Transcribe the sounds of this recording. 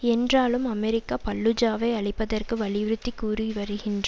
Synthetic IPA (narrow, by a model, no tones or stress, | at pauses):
ɛndraːlɯmɐmɛɾɪkːaːpɐɭːɯd͡ʒaːʋɐɪɐɭɪpːɐðɐrkɯʋɐɭɪʋɪɾɯt̪ːikːuːɾiʋɐɾɯɣɪndrɐ